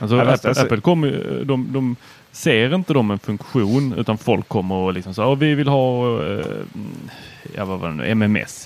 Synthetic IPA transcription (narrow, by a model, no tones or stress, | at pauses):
ʔals̬ɔææpːəlkʰɔmːəɾj̰d̪ɔmd̪ɔm | seːɾɪnt̪əd̪ɔmɛnfɵŋkɧuːnʉ̟ːt̪anfɔlkʰːɔmːəɾɔlɪksɔmsaɔvɪvɪlhɑː | ja̰vava̰d̪ɛ̰nʉ̰ːɛmɛmɛ̰s